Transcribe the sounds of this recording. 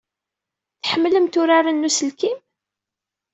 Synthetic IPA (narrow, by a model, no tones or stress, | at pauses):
θħəmːləmt̪ʊɾaɾˤanːusəlkim